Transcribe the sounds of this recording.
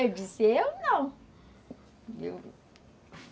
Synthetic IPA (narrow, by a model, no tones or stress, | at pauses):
ed͡ʒisewnɐ̃w̃ | ḛw